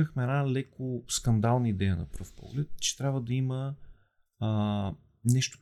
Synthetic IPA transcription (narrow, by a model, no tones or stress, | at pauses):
əxmɛɛd̪nalɛkoskɐnd̪alˠnəid̪ɛjənɐ̰pɾɤfpɔ̰ɡlɛt̪̚t͡ʃɛ̥t̪ɾʲabvəd̪ɐimə | nɛʃt̪ʊ̥